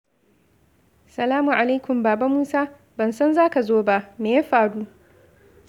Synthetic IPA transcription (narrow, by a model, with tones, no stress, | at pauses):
sɐ˨laː˦mʊ˨ʔa˨la˦jkʷʊ˨mbaː˨ba˦muː˦saː˦ | bɐ˨nsɐ˦nzaː˦ka˨zoː˦ba˦ʔmeː˨ja˦ɸaː˨ɽu˦ʔ